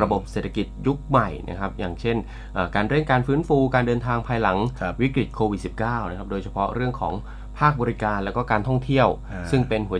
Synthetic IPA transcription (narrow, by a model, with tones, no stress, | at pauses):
ɾa˧bo˨˩p̚seː˨˩t̪ʰa˧ki˨˩t̪̚ju˦˥k̚ma˨˩jnʔa̰˦˥kʰɾa˦˥p̚jaː˨˩ŋt͡ɕʰe˥˩n | ʔəː˨˩kaː˧nɾe˥˩nkaː˧nfɯː˦˥nfuː˧kaː˧ndɤː˧nt̪ʰaː˧ŋpʰaː˧jla˩˦ŋwi˦˥kɾi˨˩t̪̚kʰoː˧wi˨˩si˨˩p̚kaː˥˩wna˦˥kʰɾa˦˥p̚doː˧jt͡ɕʰa˧pʰɔ˦˥ɾɯ˥˩əŋkʰɔ̰ː˩˦ŋ | pʰaː˥˩k̚bɔː˧ɾi˦˥kaː˧nlɛ˦˥wkɔː˥˩kaː˧nt̪ʰɔ˥˩ŋt̪ʰi˥˩əw | sɯ˥˩ŋpe˧nɦu˩˦